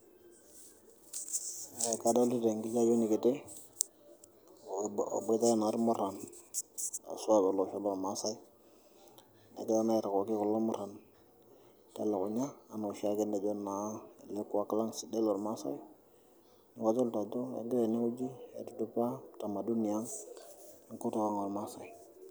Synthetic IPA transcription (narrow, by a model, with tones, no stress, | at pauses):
ɛ˨ka˦da˦ldi˦de˨ŋɡi˦t͡ʃa˦jo˦ni˨ki˨tɪ˦˨ | be˦ta˦a˦˨n˨ɾmʊ˦ɾa˨n | a̰˨su˦a˦dɔ˨lo˨ʃo˦lɔ˨ɾma˨˦sa˦i˦ | na̰˨kɛ˦a˦na˦ɛ˨ɾa˨kɔ˨ki˦ku˨lo˦mʊ˦ɾa˨n | ta˦la˨ku˨ɲaː˦˨na˨ʃa˦ke˦ne˨d͡ʒo˦na˨˦˨le˦ku˦wa˦ka˦la˦ŋsi˨de˦lo˨ɾma˦sa̰˦i˦ | ni˨ka˦d͡ʒo˦lta˨do˦ḛ˨ɡe˦ɾe˨ne˦u˦d͡ʒi˦ḛ˨ti˨du˦pa˦ta˨ma˨du˦ni˨ja˦ŋ | i˦ŋku˦to˨ka˦ŋo˨ɾma˦sa˨˦i˦